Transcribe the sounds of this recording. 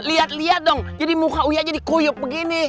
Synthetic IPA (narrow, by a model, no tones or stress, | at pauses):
liat̪̚liat̪̚dɔŋd͡ʒadimuɦaujaʔd͡ʒadikojʊp̚bəɡinɪ